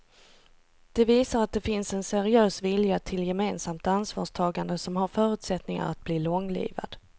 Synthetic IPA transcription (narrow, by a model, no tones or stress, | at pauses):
d̪̥ɛviːsaɾat̪̚d̪ɛfɪnsɛnsæɾɪøːsvɪljat̪ʰɪljɛmeːnsamt̪ansvɑ̰ːʂt̪ʰɑːɡand̪əsɔmɦaɾfœːɾʉ̟ːt̪sɛt̪nɪŋa̰ɾat̪̚bliːlɔŋlḭːva̰d̪̥